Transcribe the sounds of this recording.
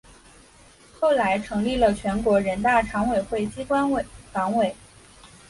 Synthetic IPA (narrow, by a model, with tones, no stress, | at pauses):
xo˥˩ʊla˧˥ɪʈ͡ʂʰɤ˧˥ŋli˥˩lə˩t͡ɕʰɥɛ˧˥nkwɔ˧˥ɻə˧˥nt̪a˥˩ʈ͡ʂʰɑ˧˥ŋwe˨˩ɪxwe˥˩ɪt͡ɕi˥kwa˥n˧˩fɑ˧˥ŋwe˨˩˦ɪ